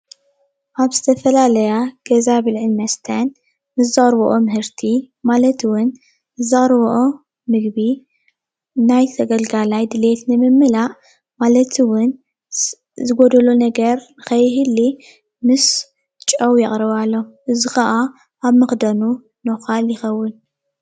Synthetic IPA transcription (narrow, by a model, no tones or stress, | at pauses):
ʔaβz̥ɨt̪ʰɐfɐlalɐjaɡ̥ɐzaβɨlʕɨnmɐst̪ʰɐn | mɨs̬zɨχʼɾβoʔomɨhɨɾt̪ʰi | malɐt̪ʰwʊn | ɨzɨχʼɾβʔo | mɨɡbi | najt̪ʰɐɡɐlɡalajd̪ɨlet̪nɨmɨmːɨlaʔ | malɐt̪ʰiwʊn | zɨɡod̪ɐlonɐɡɐɾnɨxɐjɦɨlːi | mɨs | t͡ʃʼɐwjɐχʼɾɐβalːo̞ʔɨzixɐʔa | aβmɨxd̪ɐnu | noxaljɪxɐwːʊn